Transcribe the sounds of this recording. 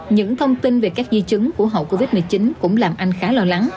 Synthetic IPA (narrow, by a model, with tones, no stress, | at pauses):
ɲɨ̰˧˥ŋt̪ʰə˧wŋ͡mt̪i˧nve˨˩kaː˦˥k̚zi˧t͡ɕɨ˨˦ŋku˧˩əɦo̰˧˨wko˧vi˦˥t̚mɨ˨˩t͡ɕi˨˦nkʊ̰˧˥ŋ͡mlaː˨˩mʔa˧jŋ̟xaː˨˦lɔː˧la˨˦ŋ